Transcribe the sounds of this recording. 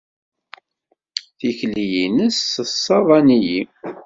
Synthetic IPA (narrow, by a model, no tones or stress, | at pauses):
θiçlijinəsːəsːɑvˤɑniji